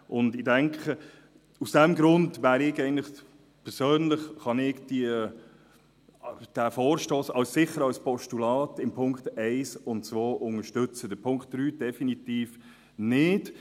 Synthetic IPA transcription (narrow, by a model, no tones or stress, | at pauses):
ʔʊndɪdɛŋkχə | usd̥ɛmɡɾʊndʋæːɾɪɡɛɪəntlɪχ | pʰɛɾsøːnlɪχχɑnɪɡd̥iə | d̥æfoːɾʃtoːsɑlssɪχːəɾɑlspɔʃtulɑːtɪmpʰʊŋktɛɪsʊnt̚t͡svoːʔʊŋəʃtʏt͡səd̥əpʰʊŋkt̚d̥ɾyːd̥ɛfinitiːf | nɪd̥